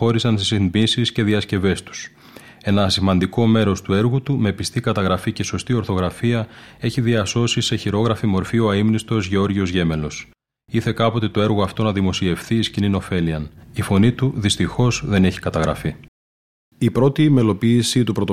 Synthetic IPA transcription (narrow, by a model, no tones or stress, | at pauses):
o̞ɾisɐnsisinbisisce̞ðiɐsce̞ve̞st̪u̥s | e̞nɐsimɐnd̪iko̞me̞ɾo̞st̪ue̞ɾɣut̪ume̞pist̪ikɐt̪ɐɣɾɐfice̞so̞st̪io̞ɾθo̞ɣɾɐfiɐe̞çiðiɐso̞sise̞çiɾo̞ɣɾɐfimo̞ɾfioɐimnist̪o̞zʝeo̞ɾʝio̞zʝe̞me̞lo̞s | iθe̞kɐpo̞t̪e̞t̪o̞e̞ɾɣoɐft̪o̞nɐðimo̞sie̞fθiːscinino̞fe̞liɐnifo̞nit̪uðist̪ixo̞zðe̞ne̞çi̥kɐt̪ɐɣɾɐ̰fi | ipɾo̞t̪ime̞lo̞piːsit̪upɾo̞t̪o